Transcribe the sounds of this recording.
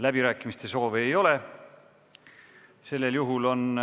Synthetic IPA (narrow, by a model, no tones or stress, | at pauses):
læbiɾæːkːˑimist̪e̞so̞ːveeːjo̞le̞ | se̞lːe̞ljuɦulo̞n